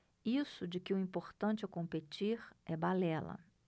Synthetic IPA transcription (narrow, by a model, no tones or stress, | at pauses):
isʊd͡ʒɪkɪʊĩpoɾt̪ɐ̃nt͡ʃɪɛkõmpet͡ʃiɾɛbalɛlɐ̰